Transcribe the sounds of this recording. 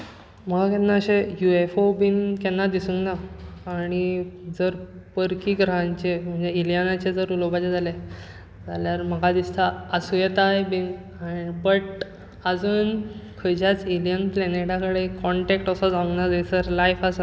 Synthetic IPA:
m̤əɡkɛnːaəɕejuefobinkɛnːad̪isuŋɡnaː | ɽ̃id͡zəɾpəɾkiːɡɾəɦaɲt͡ɕem̤əɳd͡zeiljənat͡ɕed͡zəɾulobat͡ɕed͡zʱale | d͡zaljaɾm̤əɡad̪ist̪ʰaːsujet̪aɦebin | anibəʈ | əd͡zuːnkʰəjd͡ʑat͡silijənpleneʈakəɽekɔɳʈekʈəsɔd͡zãŋɡnad͡zed͡zəɾlajfasa

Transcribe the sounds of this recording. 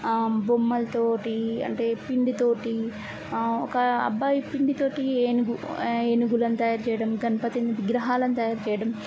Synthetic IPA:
bumːɐlɐt̪oːʈiɐ̰ɳʈe̞ːpiɳɖit̪o̞ːʈi | ɔkɐɐ̰bːaːjpiɳɖit̪o̞ːʈieːnuɡueːnuɡulɐnt̪ɐjaːɾt͡ʃɛjɐɽɐmɡɐnɐpɐt̪ind̪iʋiɡɾɐɦaːlɐnt̪ɐjaːɾt͡ʃɛːjɐɽɐm

